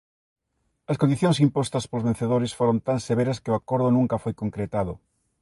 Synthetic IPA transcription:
ɐskõnd̪iθjõŋs̬impɔst̪ɐspolozβẽn̟θeðoɾɪsfoɾont̪anseβeɾɐskɪoakoɾðʊnũŋkɐfojkoŋkɾet̪aðʊ

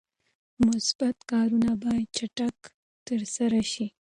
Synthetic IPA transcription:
mʊsb̥at̪kɑɾunabɑjad̪̚t͡ʃaʈak | t̪əɾsaɾaʃi

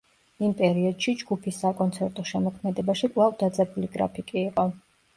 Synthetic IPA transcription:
impʼɛɾiɔd̪̥ʃid͡ʒɡupʰisːakʼɔnt̪sʰɛɾt̪ʼɔʃɛmɔkʰmɛd̪ɛbaʃikʼvˠavd̪ad̪zʼɛbuliɡɾa̰pʰikʼiːqʼɔ

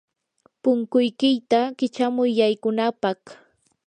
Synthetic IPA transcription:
pʊŋkʊjkɪjt̪akɪt͡ʃamʊjːajkʊnapɑχ

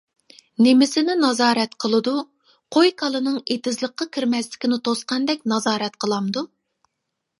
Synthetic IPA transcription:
nemɪsɪnɪnɑzɑːɾɛt̪qʰəlˠɨd̪u | qʰojkʰɑlˠɨnɨŋet̪ɪzlˠəqːɑkʲʰiɾmɛslɪ̥kʲinɪt̪ʰosqɑnd̪ɛk̚ʲnɑzɑːɾɛt̪̚qʰəlˠɑmd̪u

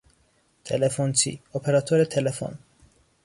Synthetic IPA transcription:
t̪ʰelefont͡sʰḭopʰeɾɑt̪ʰoɾet̪ʰelefo̰n

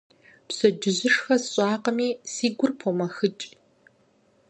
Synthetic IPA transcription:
psɐd͡ʒɪʑɪʂxɐsɕʼaːqɐmiːsiːɡʷʊrpʰomɐxɨt͡ʃʼ

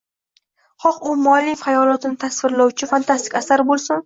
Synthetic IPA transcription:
χɒqʊmɒlifajɒlˠɒt̪ɪnɪt̪ʰasvɪɾlawt͡ʃʰɪfant̪ʰast̪ɪkʲasaɾbolˠsʊn

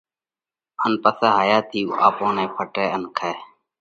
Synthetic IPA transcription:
ənpəseːɦaːjaːt̪ʰiːuaːpõːnẽːpʰəʈeːənkʰɛː

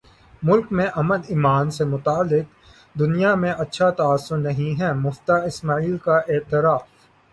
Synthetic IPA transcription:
mʊlkmẽʔɐməliːmaːnsemʊt̪aːlːɪq̚ | d̪ʊnijamẽʔɐtːʃʰat̪aːsːʊnnɐɦĩɦɛmʊft̪aɪsmaːiːlkaʔeːt̪ɪɾaːf

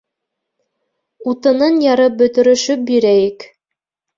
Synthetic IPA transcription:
ut̪ɤ̆nɤnjɑɾɤp̚bɵ̆t̪ɵ̆ɾɵ̆ʃɵp̚biɾæjɘk

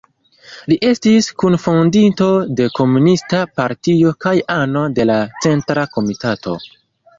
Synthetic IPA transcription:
liʔe̞stiskunfondinto̞de̞ko̞munistapaɾtio̞kajano̞de̞lat͡se̞ntɾako̞mitato̞̰

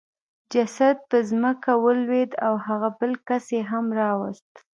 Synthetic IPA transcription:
d͡ʒasad̪̚pəzməkawəlwed̪awhaɣabəlkaseɦamɾɑwəst̪

